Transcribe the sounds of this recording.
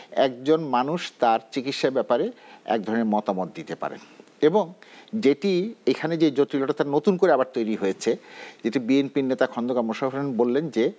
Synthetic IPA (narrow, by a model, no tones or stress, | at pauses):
ɛ̰k̚d͡ʑonmanuʃt̪aɾt͡ɕikit̪ʃabɛpaɾeɛ̰k̚d̪ʱɔɾoneɾmɔt̪amot̪̚d̪it̪epa̰ɾḛn | eboŋd͡ʑeʈiejkʰaned͡ʑed͡ʑot̪ɾiloʈat̪aɾnot̪unkoɾeabaɾt̪ojɾiɦojet͡ɕʰed͡ʑeʈibienpiɾnet̪akʰɔnd̪okamoʃaɾonbolːend͡ʑe